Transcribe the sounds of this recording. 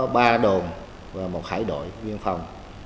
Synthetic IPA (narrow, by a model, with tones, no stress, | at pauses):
ɓaː˧ɗo˨˩n | vaː˨˩mo˨˩t̚xaː˧˩˦jɗo̰˧˨jzwi˧ənfa˨˩wŋ͡m